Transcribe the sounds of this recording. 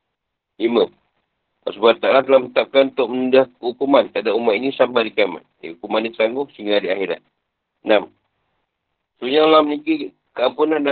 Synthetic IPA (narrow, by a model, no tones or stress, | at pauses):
limə | pasəbat̪aʔlat̪əlamənət̪ap̚kanunt̪ʊk̚mənudahkəɦukumant̪əadaʔumat̪inisambadikama̰nḛhukumanːit̪ət̪aŋɡʊhsiŋɡadiaɦiɾa̰ | nam | suɲalaməniki | kəampunanːa